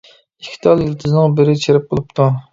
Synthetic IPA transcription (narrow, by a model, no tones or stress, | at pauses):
ikʲʰi̥t̪ʰɑlˠjilt̪ʰɨznɨŋbɪɾɪt͡ʃʰeɾɪp̚qolˠupt̪ʰu